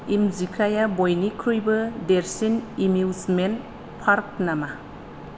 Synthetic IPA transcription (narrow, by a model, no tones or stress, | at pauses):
imzikʰajabojnikʰɾujbɯdeɾsinimuwzmen | pʰaɾk̚nama